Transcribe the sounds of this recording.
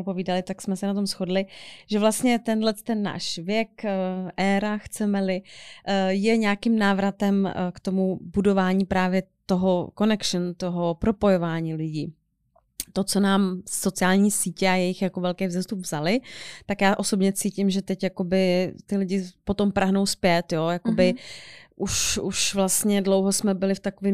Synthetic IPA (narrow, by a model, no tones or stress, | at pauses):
po̞viːdalɪt̪aksmɛsɛnat̪̬o̞msxo̞dlɪʒ̥ɛvlast̪ɲɛt̪ɛnlɛt̪ɛnːa̰ːʃvjɛkʔɛːɾaxt͡sɛmɛlɪ | jɛɲɛakimnaːvɾat̪ɛmkt̪o̞mubudo̞vaːɲiːpɾaːvjɛt̪oɦoko̞nɛkʃnt̪o̞ɦopɾo̞po̞jovaːɲiːlɪɟiː | t̪o̞t͡so̞naːmso̞t͡sɪaːlɲiːsiːcɛajɛjɪxjako̞vɛlkɛjvzɛst̪upvz̥alɪt̪akjaːʔo̞sobɲɛt͡siːcɪmʒɛt̪ɛcjako̞bɪt̪ɪlɪɟɪpo̞t̪o̞mpɾaɦno̞wspjɛt̪jo̞jako̞bɪʔuʃuʃvlast̪ɲɛdlowɦosmɛbɪlɪft̪akovɪːm